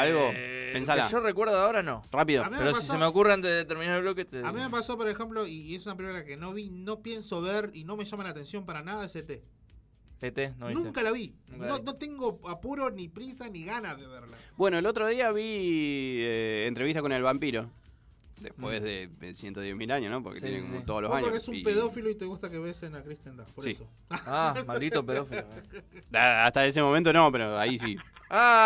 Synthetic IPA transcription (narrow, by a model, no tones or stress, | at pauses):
alɣopens̬ala̰ʃorekweɾðoaoɾanorapiðoamimeeɾoseasissemeokureant̪eðeet̪eɾminaɾelβloket̪eamimepaso̞poɾexe̞mplo̞iesunapɾiukake̞no̞βino̞pje̞nso̞βeɾino̞me̞ʃamalaːt̪e̞nsjo̞mpaɾanaðaeset̪e | et̪enonũŋkalaβinono̞t̪e̞ŋɡoapuɾonipɾisaniɣanaðeβeɾlabwe̞no̞elo̞t̪ɾoð̞iaβi | eːnt̪ɾeiht̪ako̞ne̞lβampiɾo̞ | d̪ehpwe̞zðeðesjent̪oðjehmilaɲosno̞poɾket̪jenḛkomot̪oðolosaɲoɾokeesumpeðofiloit̪eɣust̪akeβesenakɾist̪jand̪apoɾseiso | aamald̪it̪opeðofioaaht̪aes̬emo̞mẽnt̪̬ono̞peɾo̞ais̬ia